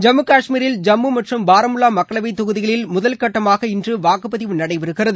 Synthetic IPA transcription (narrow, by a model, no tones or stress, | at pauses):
d͡ʒɐmːɯkaːʂmiːɾɪld͡ʒɐmːɯmɐʈrɯmbaːɾɐmɯlaːmɐkːɐɭɐʋɐɪt̪ːɔɣɯðɪɣɐɭɪlmʊðɐlkɐʈːɐmaːɣɐɪndrɯʋaːkɯpːɐðɪʋɯnɐɽɐɪʋɛɾɯɣɪrɐðɯ